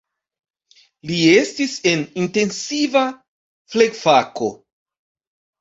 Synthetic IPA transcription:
lie̞stise̞ninte̞nsiva | fleɡfako̞

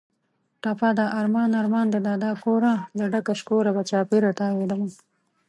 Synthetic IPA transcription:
ʈapad̪aʔaɾmɑːnaɾmɑːnd̪əd̪aːd̪ɑːkoɾalaɖakaʃkoɾabat͡ʃɑːpiɾaʈ̪ɑːwed̪ama

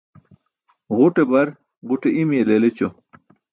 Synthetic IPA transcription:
ʁuʈebɐɾ | ʁuʈeimjelelet͡ɕo

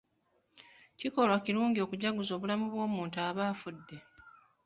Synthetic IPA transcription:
ciko̞lwaciɾuːŋɟio̞ːkuɟaɡuzo̞ːβulamuβwo̞ːmuːntuaːβaːfudːe̞

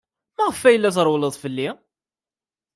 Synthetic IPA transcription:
mæʁəfːæjəlːæθɾˤwləðˤfəlːi

